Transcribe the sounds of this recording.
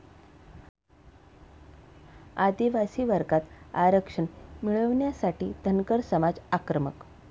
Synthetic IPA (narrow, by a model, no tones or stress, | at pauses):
ad̪iʋasiːʋəɾɡat̪a̰ɾəkʂəɳmiɭəʋɳjasaʈiːd̪ʱənkəɾsəmad͡zakɾəmə̰k